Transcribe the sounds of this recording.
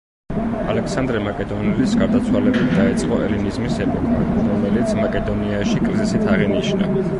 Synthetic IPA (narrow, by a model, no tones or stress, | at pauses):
alɛksand̪ɾɛmakʼɛd̪ɔnɛlisɡaɾd̪at̪sʰwalɛbid̪aɛt̪sʼqʼɔʔɛ̰linizmisɛpʼɔkʰaɔɾɔmɛlit̪sʰmakʼɛd̪ɔniaʃikʼɾizisit̪ʰaʁiniʃna̰